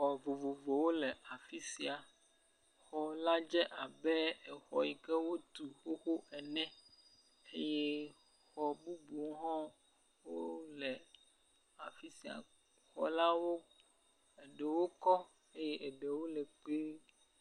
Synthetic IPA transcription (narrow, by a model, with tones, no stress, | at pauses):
xɔ˨vo˨vo˨vo˨wo˦lɛ˨a˨fi˦si˨a˨ | xɔ˨la˦d͡ʒɛ˦ʔa˨bɛ˦ɛ˨xɔ̰˨i˨kɛ˦wo˦t̪u˨xo˦xo˦ɛ˨nɛ̃˦ | e˦je˦ | xɔ˨bu˦bu˨˦ɦɔ̃˦ | wo˦lɛ˨ | a˨fi˦si˨a̰˨ | xɔ̰˦la˦wo˦ | e˨ɖe˨wo˦kɔ˦ | e˦je˦ʔɛ˨ɖe˨wo˦lɛ˨k͡pe˦